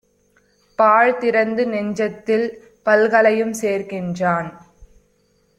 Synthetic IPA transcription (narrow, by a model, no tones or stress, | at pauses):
paːɻt̪ɪɾɐnd̪ɯnɛɲd͡ʒɐt̪ːɪl | pɐlɣɐɭɐjɯmseːrɣɪndraːn